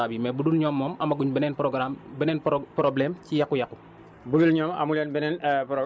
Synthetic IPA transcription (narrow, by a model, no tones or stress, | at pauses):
abimɛbudulɲɔːmːɔːmɐmɐɡuɲbənɛːnpɾoɡɾambənɛnppɾoblɛːmcijɐkːujɐku | budulɲɔːmɐ̰mulɛnbɛnɛnpɾo